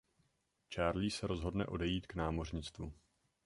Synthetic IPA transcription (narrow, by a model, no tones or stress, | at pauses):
t͡ʃaːɾliːsɛɾo̞zɦo̞dnɛ̰ʔo̞dɛjiːt̪knaːmo̞rɲɪt͡st̪vu